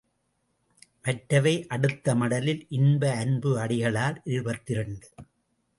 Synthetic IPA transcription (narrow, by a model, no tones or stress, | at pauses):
ʋɛʈɾɐʋɐɪʔɐɽɯt̪ːɐmɐɽɐlɪlʔɪnbɐːnbɯɐɽɪɣɐɭaːlʔɪɻɯbɐt̪ːɪɾɐɳd̪ɯ